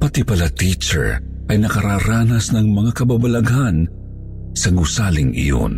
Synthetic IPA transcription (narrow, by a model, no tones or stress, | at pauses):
pɐt̪ipɐlat̪it͡ʃɛ̰ɹ | ʔɐjnɐkɐɾaːɾaːnɐsnɐŋmɐŋakɐbabɐlɐɡan | sɐɡusalɪŋʔɪ̰jo̰n